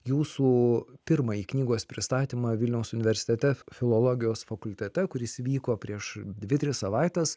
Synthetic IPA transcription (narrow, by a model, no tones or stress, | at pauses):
juːsuːpʲɪɾmɐiːknʲiːɡoːspʲɾʲɪst̪ɑːt̪ʲiːmɐʋʲɪlʲnʲɛʊsʊnʲɪʋʲɛɾʲsʲɪ̥t̪ʲɛt̪ʲɛfʲɪlˠoːlˠoːɡʲɪjoːsfɐkʊlʲt̪ʲɛt̪ʲɛkʊɾʲɪsʲʋʲiːkoːpʲɾʲiɛʃd̪ʲʋʲɪt̪ʲɾʲɪssɐʋɑˑɪt̪ʲɛs